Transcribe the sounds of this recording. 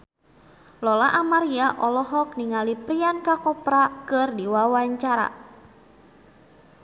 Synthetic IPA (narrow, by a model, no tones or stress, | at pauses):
lɔlaʔamaɾiaʔɔlɔɦɔk̚niŋalipɾiankakɔpɾakɨrdiwawaɲt͡ʃaɾa̰